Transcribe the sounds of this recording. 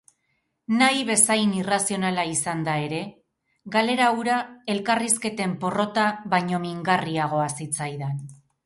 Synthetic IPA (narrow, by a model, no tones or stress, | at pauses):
najβe̞sajnirasio̞nalaisand̪ae̞ɾe̞ | ɡale̞ɾawɾae̞lkariske̞t̪e̞mpo̞ro̞t̪aβajɲo̞miŋɡariaɣ̞o̞asit͡sajðan